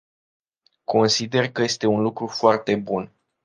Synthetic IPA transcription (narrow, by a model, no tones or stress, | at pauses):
kʰo̞nsid̪e̞rkəje̞st̪e̞unlukɾufoart̪e̞bun